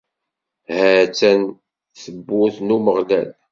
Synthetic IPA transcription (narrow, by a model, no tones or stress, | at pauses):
hæt͡sːæn | θəbːʊθnuməʁlæ̰l